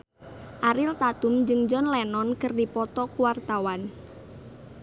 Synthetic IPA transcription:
ʔaɾɪlt̪at̪ʊmd͡ʒɨŋd͡ʒɔnlɛnɔnkərdipɔt̪ɔkuwart̪awan

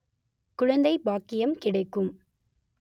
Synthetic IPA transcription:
kʊɻɐnd̪ɐɪbaːkːɪjɐmkɪɽɐɪkːɯm

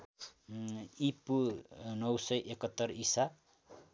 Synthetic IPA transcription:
ipunʌwsʌjʔekʌt̪ːʌrisa

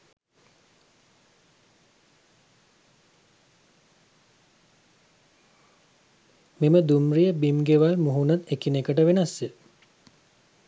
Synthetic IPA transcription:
meməd̪umrijəbimɡeʋalmuɦunat̪ekinekəʈ̬əʋenasje

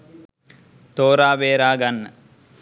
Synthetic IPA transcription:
t̪oːɾaːʋeːɾaːɡɐnːɐ

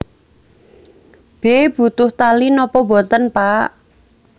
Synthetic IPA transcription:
b̥eb̥ṳt̪ʊht̪alinɔpɔbɔ̤t̪ənpaʔ

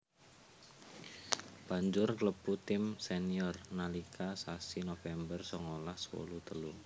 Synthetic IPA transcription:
b̥a̤ɲd͡ʒʊrkləb̥ut̪ɪmseniɔrnalikʰasasinofɛmbərsɔŋolahswo̰lut̪əlu

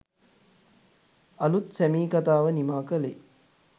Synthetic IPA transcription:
ɐlut̪sæmiːkat̪aːʋənimaːkəle

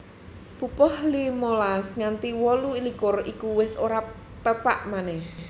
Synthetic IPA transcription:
pupɔhlimolasŋant̪iwɔluilikʊrikuwɪsoɾa | t̪əpa̰ʔmanɛh

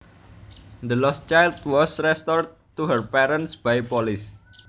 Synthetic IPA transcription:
nd̪əlɔst͡ʃajld̪wɔsɾɛst̪ɔr | t̪uɦərpɛɾənsb̥ajpɔlɪs

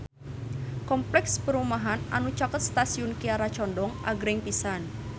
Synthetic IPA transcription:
kɔmplɛkspəɾumaɦana̰nut͡ʃakət̪̚st̪asiʊnkiaɾat͡ʃɔndɔŋʔa̰ɡɾɛŋpisan

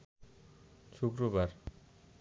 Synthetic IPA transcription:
ʃukɾobaɾ

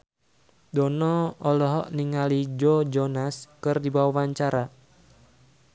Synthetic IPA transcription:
dɔnɔɔlɔɦɔʔniŋalid͡ʒɔd͡ʒɔnaskɨrdibawawaɲt͡ʃaɾa

